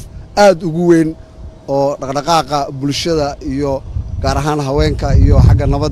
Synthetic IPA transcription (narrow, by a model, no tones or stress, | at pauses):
aːd̪ʊɣʊwɛːnɔːɖɑqɖɑqɑːqɑbʊlʃɐðɐʔijɔɡaːɾɐɦaːnɦɑwɛːŋkʰɐijɔħɑɡɐnɐβɐ